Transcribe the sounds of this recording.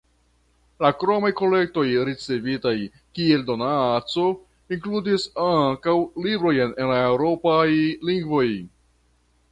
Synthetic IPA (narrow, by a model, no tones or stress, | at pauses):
lakɾomajko̞le̞k̚to̞jɾit͡se̞vitaj | kie̞ldo̞nat͡so̞ | iŋkludisaŋkawlibɾo̞jne̞nlaewɾo̞pajliŋɡvo̞j